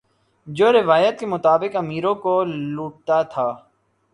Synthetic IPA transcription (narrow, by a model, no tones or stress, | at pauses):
d͡ʒoːɾɪʋaːjət̪̚kemʊt̪aːbɪkɐmiːɾõkoluːʈ̚t̪at̪ʰaː